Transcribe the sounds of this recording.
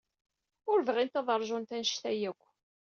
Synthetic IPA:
ʊɾvʁint̪ɑðˤəɾˤʒʊnt̪ænʃt̪æjækʷː

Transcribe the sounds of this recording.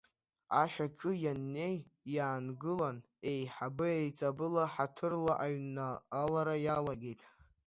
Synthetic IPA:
aʃᶣaʈ͡ʂʼɨjanːe̞jːaːnɡɨlan | e̞jħabɨejt͡sʼabɨlaħatʰɨrlaʔaɥnaalaɾajalaɡʲe̞jtʼ

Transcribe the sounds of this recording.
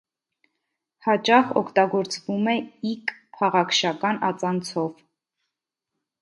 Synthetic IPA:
hɑt͡ʃɑχɔ̰kʰt̪ɑɡɔɾt͡svumɛikpʰɑʁɑkʰʃɑkɑnɑt͡sɑnt͡sʰɔv

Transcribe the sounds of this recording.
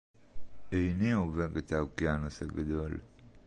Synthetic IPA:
ʔejnioveɡet̪akianoseɡad̪ol

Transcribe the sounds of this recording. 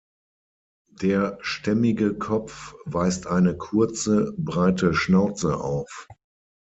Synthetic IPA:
d̥eːɐʃtɛmɪɡəkʰɔp͡fv̥aɪstʔaɪnəkʰʊɐt͡səbʁaɪtəʃnaʊt͡səʔa̰ʊf

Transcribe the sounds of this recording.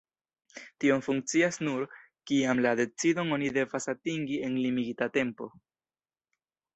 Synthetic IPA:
tio̞mfuŋk̚t͡siasnuɾ | kiamlade̞t͡sido̞no̞nide̞vasatiŋɡie̞nlimiɡitate̞mpo̞̰

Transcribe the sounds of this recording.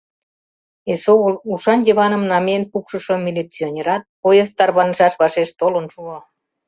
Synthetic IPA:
esouʃɑnjeβɑnə̆mnɑmenpukʃəʃomilʲit͡sionʲeɾɑt̪̚poezt̪ɑrβɑnʒɑʃβɑʃeʃt̪olənʃuɑ

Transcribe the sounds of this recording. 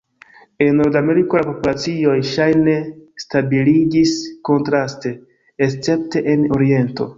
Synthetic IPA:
enːo̞ɾdame̞ɾikolapo̞pulat͡sio̞jʃajne̞stabiliɡisko̞ntɾaste̞ː | st͡se̞pte̞ʔeno̞ɾie̞nto̞̰

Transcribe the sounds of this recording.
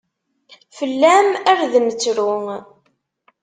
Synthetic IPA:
fəlːæmæɾðmət͡sːɾʊŋ

